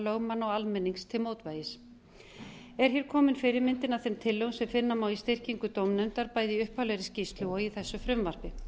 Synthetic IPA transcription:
lœɣmanːɔwalmɛnːiŋst̪ʰɪlmoːwt̪vaːjɪs | ɛɾ̥hçɛːɾ̥kʰɔːmɪnfɪɾɪɾmɪnt̪ɪnaθɛmt̪ʰɪlːœwnsɛmfɪnːamaːwist̪ɪr̥ciŋkʏt̪owmnʏmt̪aɾpaːjðɪiʏhpalɛɾɪscist̪luaiθɛsːʏfɾʏmvar̥pɪ

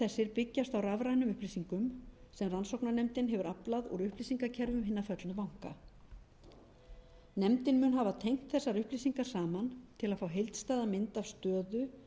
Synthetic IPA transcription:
ɛsːɪɾpɪcːast̪awravɾajnʏmʏhplisiŋkʏmsɛmransowknanɛmt̪ɪnɦɛvʏɾaplaðɔɣɾʏhplisiŋkacʰɛɾvʏmɦɪnːafœt̪lʏvawŋ̥ka̰ | nɛmt̪ɪnmʏnɦavat̪ʰejŋ̥t̪θɛsːaɾʏhplisiŋkḁsaːmant̪ʰɪlaðfawɦejlt̪st̪aːðamɪnt̪avst̪œːðʏ

